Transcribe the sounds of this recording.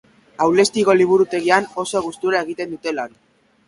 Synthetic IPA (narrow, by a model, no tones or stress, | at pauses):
awle̞st̪iɣo̞liβ̞uɾut̪e̞ɣiano̞so̞ɣ̞ust̪uɾae̞ɣ̞it̪e̞nd̪ut̪e̞lan